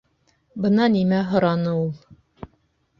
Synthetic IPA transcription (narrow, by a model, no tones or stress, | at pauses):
bɤ̆nɑnimæɦŏɾɑnɤulˠ